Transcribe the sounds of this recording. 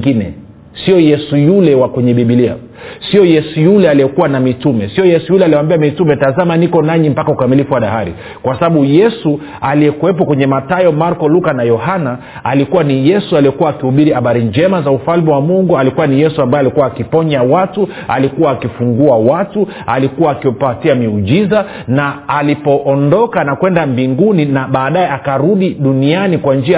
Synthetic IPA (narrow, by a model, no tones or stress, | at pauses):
ɡinɛ̰ | siɔjɛsujulɛwakɛɲɛɓiɓilia̰ | siɔjɛsujulɛaliɛkuwanamitumɛsiɔjɛsujulɛaliɛwambiamitumɛtazamanikɔnaɲim̩pakaukamilifuwaɗahaɾḭ | kwasaɓaɓujɛsu | aliɛkuwɛp̬ɔkwɛɲɛmatajɔmaɾkɔlukanajɔhana | alikuwanijɛsualijɛkuwaːkihuɓiɾihaɓaɾiɲd͡ʒɛmazaufalmiwamuŋɡualikuwanijɛsuambajɛalikuwaːkipɔɲawatu | a̰likuwaːkifuŋɡuawatu | alikuwaːkiɔpatiamiuʄiza | naːlipɔʔːndɔkanakwɛndambiŋɡuninaɓaːɗajɛakaɾuɗiɗunianikwand͡ʒia